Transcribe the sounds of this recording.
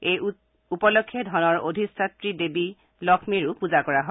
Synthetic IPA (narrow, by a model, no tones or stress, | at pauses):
ej | upɔlɔkʰːjedʱɔnɔɹodʱisatɹidebi | lɔkʰmiɹʊpuzakɔɹaɦɔ